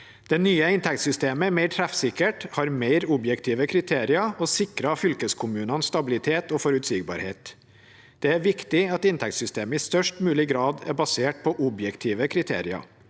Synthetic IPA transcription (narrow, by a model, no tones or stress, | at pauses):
d̪̥ɛnyːəɪnt̪ʰɛkt̪sʏst̪eːməæmæɪʈʰɾæfsɪkəʈhɑːɾmeɪɾʊbjɛkt̪ʰiːʋəkʰɾɪt̪ʰeːɾɪɑɔsɪkɾɑfʏlkəskʰʊmʉːnɑnst̪ɑbɪlɪt̪ʰeːt̪oːfɔɾʉt̪siːɡbɑ̰ːɾhḛːt̪ | d̪̥ɛæɾʋɪkt̪ɪɑt̪ɪnt̪ʰɛk̚t̪sʏst̪eːməɪst̪œʂʈmʉːlɪɡɾɑːd̪ɛ̰ɾbɑseːʈ̚pʰɔʔʊbjɛkt̪ʰiːʋəkʰɾɪt̪ʰḛːɾɪɑ̰